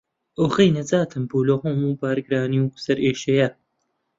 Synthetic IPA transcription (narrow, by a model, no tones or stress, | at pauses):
ʔoɣijnɐd͡zaːt̪ʰɨmbuːloɣomuːbaːɾɡɾaːniwsɐɾeːʃɐjɐ